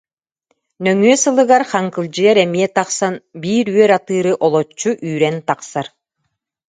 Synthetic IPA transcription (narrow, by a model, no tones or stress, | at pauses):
nœŋyœsɯlˠɯɡaɾχaŋkɯlˠd͡ʑɯjaɾɛmiɛt̪aqsanbiːɾyœɾat̪ɯːɾɯʔɔlˠɔt͡ɕːuʔyːɾɛnt̪aqsaɾ